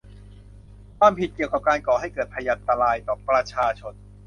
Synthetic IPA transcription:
kʰwaː˧mpʰi˨˩t̪̚ki˨˩əwka˨˩p̚kaː˧nkɔː˨˩ha˥˩jkɤː˨˩t̪̚pʰa˧ja˧a˧nt̪a˧ɾaː˧jt̪ɔː˨˩pɾa˧t͡ɕʰaː˧t͡ɕʰo˧n

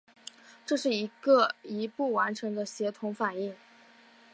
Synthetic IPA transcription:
ʈ͡ʂɤ˥˧ʂɻ̩˥˩i˧˥ɡə˧i˧˥pu˥˩wa˧˥nʈ͡ʂʰɤ˧˥ŋd̪ə˧ɕjɛ˧˥t̪ʰʊ˧˥ŋfa˨˩ni˥˩ŋ

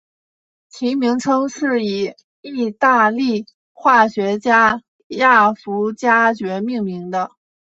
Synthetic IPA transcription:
t͡ɕʰi˧˥mi˧˥ŋʈ͡ʂʰɤ˥ŋʂɻ̩˥˩i˨˩ | i˥˧t̪a˥˧li˥˩ | xwa˥˩ɕɥɛ˧˥t͡ɕja˥ | ja˥˩fu˧˥t͡ɕja˥t͡ɕɥɛ˧˥mi˥˩ŋmi˧˥ŋd̪ə˧

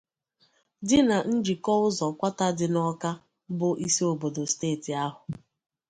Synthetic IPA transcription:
dɪ˦na˨n̩˦d͡ʒi˨kɔ˦ʊ˦zɔ˨kʷa˦ta˦dɪ˨nɔ˦ka˦ | bʊ˦ʔi˦se˦o˨bo˨do˨steː˦˨ti˨a˦ɦʊ˨

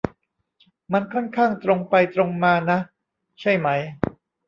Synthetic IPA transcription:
ma˧nkʰɔ˥˩nkʰaː˥˩ŋt̪ɾo˧ŋpa˧jt̪ɾo˧ŋmaː˧na˦˥ | t͡ɕʰa˥˩jma˦˥j

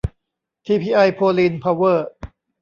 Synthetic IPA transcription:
t̪ʰiː˧pʰiː˧ʔa˧jpʰoː˧liː˧npʰa˧wɤː˥˩

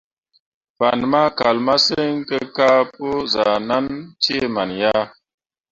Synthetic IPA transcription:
pa˨nma˦ka˨lma˦se˦ŋke˦ka˦po˦za˨na˦nte˦˨ma˨nja˦

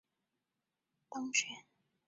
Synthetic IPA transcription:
t̪ɑ˥ŋt͡ɕʰɥɛ˧˦n

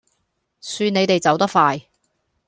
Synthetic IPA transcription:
syː˧ne˨˧jt̪e˨jt͡sɐ˨˥wt̪ɐ˥k̚faː˧j

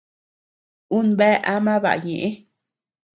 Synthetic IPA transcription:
u˦nbɛ˦ʔa˦mã˦βa̰˨ɲẽ˨ʔe˦

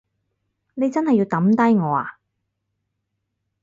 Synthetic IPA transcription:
ne˨˧jt͡sɐ˥nhɐ˨jːi˧wt̪ɐ˨˥mt̪ɐ˥jŋɔː˨˧a̰ː˧

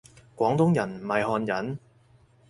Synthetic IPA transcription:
kʷɔː˨˥ŋt̪ʊ˥ŋjɐ˨˩nm̩˨˩hɐ˨jɦɔː˧njɐ˨˥n

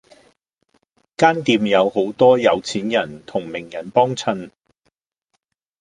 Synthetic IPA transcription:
kaː˥nt̪iː˨˧mjɐ˨˧who˨˥wt̪ɔː˥jɐ˨˧wt͡sʰiː˨˥njɐ˨˩nt̪ʰʊ˨˩ŋmɪ˨˩ŋjɐ˨˩npɔː˥ŋt͡sʰɐ˧n

